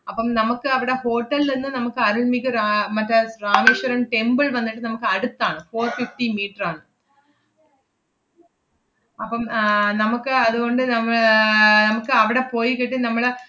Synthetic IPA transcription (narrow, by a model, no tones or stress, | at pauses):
ɐpːɐmnɐmukːɨɐʋiɽe̞ho̞ːʈːɐlninːɨnɐmukːɨɐɾuɭmikʲːuɾamɐtːɐraːʋeːɕɐɾɐmʈe̞mbɨɭʋɐnːiʈːɨnɐmukːɨɐɽut̪ːaːɳɨfoːrfifʈimiːʈːɐraːɳɨ | ɐpːɐmnɐmukːɨɐðuɣo̞ɳɖɨnɐmːɐɭnɐmukːɨɐʋiɽe̞po̞ːjikiʈːinɐmːɐɭ